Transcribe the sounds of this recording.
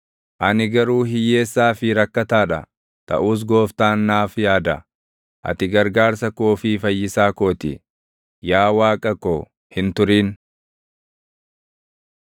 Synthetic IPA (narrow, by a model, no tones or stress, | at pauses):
ʔɐnɪɡɐɾuːɦɪjːe̞ːsːaːfɪɾɐkːɐt̪aːᶑɐ̰ | t̪ɐ̰ʔuːs̬ɡo̞ːft̪aːnːaːfjaːd̪ɐ̰ | ʔɐ̰t̪ɪɡɐɾɡaːɾsɐkoːfiːfɐjːɪsaːko̞ːt̪ɪ̰ | jaːwaːkʼɐkoː | hɪnt̪ʊɾiːn